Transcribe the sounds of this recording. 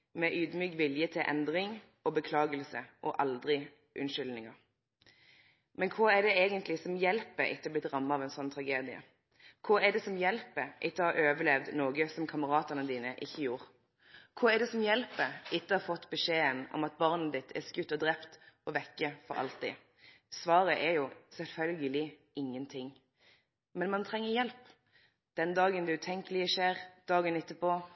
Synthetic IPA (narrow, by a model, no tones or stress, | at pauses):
mɛʔyːd̪myːkʋɪljət̪ʰɪlʔɛ̰nd̪ʁɪŋ | ɔbəkʰlɑːɡəlsəʔɔʔɑld̪ʁɪ | ʔʉnʃʏlnɪŋəʁ | mɛnkʰuɛɖ̪ɛeːɡənt̪lɪsɔmjɛlpəɪ̰t̪ːəɔblɪt̪ʁɑmːɑɑːʋɛnsɔnːt̪ʰʁɑɡeːd̪ɪə̰ | kʰuɛd̪ɛsɔmjɛlpəʔɪt̪ːəhɑɾøːʋəlɛʋd̪noːɡəsɔmkʰɑməʁɑːt̪əʁnəd̪iːnəʔɪçːəjuːʁ | kʰʊɛɖ̪ɛsɔmjɛlpəɪt̪ːəhɑfɔt̪ːbəʂeːənɔ̰mɑt̪̚bɑʁnəd̪ɪt̪ʰɛ̰skʉt̪ːɔd̪ʁɛpt̪ɔʋɛkːəfɔ̰ɾɑ̰lt̪ɪ̰ | sʋɑːʁəʔɛɾjʊsɛlfœlɡəlɪ | ɪŋːənt̪ʰɪŋː | mɛnmɑnt̪ʰɾɛŋːəjɛlp | d̪̥ɛnd̪ɑːɡənd̪ɛʉːt̪ʰɛŋkəlɪəʃeːʁd̪̥ɑːɡənɪt̪ːəpo